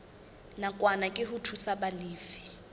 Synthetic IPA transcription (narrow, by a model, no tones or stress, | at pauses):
nakʼwanakʼɪɦutʰusaɓaliːfi̥